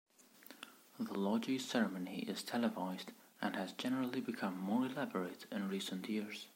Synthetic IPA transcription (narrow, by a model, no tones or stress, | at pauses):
ðəlɔd͡ʒisɛɹəmənḭʔɪ̰z̥tʰɛlˠəvaɪzd | ʔə̃nɨzd͡ʒɛnəɹəl̩ˠibɨkʰʌ̃mːɔɹɪlæbəɹeɾɪ̃nɹisə̃nʔjɪɹz̥